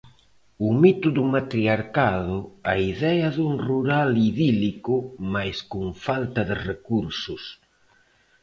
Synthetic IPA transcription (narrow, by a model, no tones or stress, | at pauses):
ʊmit̪uðumat̪ɾiaɾkaðʊaiðɛɐðuŋruɾaliðilikʊmajskuŋfalt̪ɐðɪrekuɾsʊs